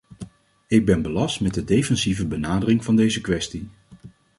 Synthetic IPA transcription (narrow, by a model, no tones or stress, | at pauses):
ɪɡ̚bɛnbəlɑstmɛdədejfɛnzivəbənaːdərɪŋvɑndejzəkʋɛsti